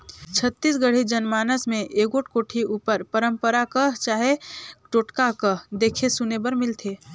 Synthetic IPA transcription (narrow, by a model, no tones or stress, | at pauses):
t͡ʃʰət̪ːisɡəɽ̤id͡ʒənmaːnəsmẽʔeːɡoʈʰkoːʈʰiuːpəɾpəɾəmpəɾakət͡ʃaːɦeʈoːʈkakəd̪ekʰesunebəɾmɪlt̪ʰe